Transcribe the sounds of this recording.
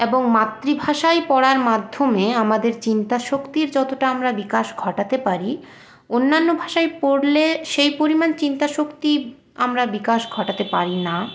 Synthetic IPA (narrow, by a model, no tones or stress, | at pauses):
eboŋmat̪ːɾibʱaʃajpɔɽaɾmad̪ʱːomeamad̪eɾt͡ɕint̪aʃokt̪iɾd͡ʑɔt̪oʈaamɾabikaʃɡʱɔʈat̪epaɾi | onːanːobʱaʃajpoɽleʃejpoɾimant͡ɕint̪aʃokt̪i | amɾabikaʃɡʱɔʈat̪epaɾina